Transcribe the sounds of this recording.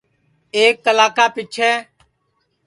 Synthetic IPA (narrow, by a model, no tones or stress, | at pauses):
eːk̚ːəlaːkaːpit͡ʃʰɛː